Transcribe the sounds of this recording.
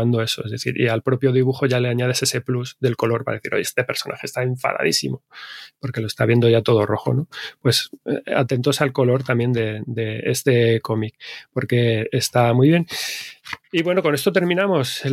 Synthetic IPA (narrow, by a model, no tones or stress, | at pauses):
and̪o̞e̞so̞ezðe̞θḭɾʔḭalpɾo̞pjo̞ð̞iβ̞uxo̞ʝale̞aɲað̞e̞se̞se̞pluzðe̞lko̞lo̞ɾpa̰ðe̞θiɾo̞̰je̞st̪e̞pe̞ɾso̞nʔa̰xest̪aeɱfa̰ða̰ðisḭmo̞po̞ɾke̞lo̞e̞st̪aβje̞nd̪o̞ʝat̪o̞ð̞o̞ro̞xo̞̰no̞pwe̞sa̰t̪e̞nt̪o̞salko̞lo̞ɾt̪amje̞nd̪e̞d̪e̞est̪e̞ko̞mikpo̞ɾke̞est̪amujβje̞n | iβwe̞no̞ko̞ne̞st̪o̞t̪e̞ɾmĩnamo̞s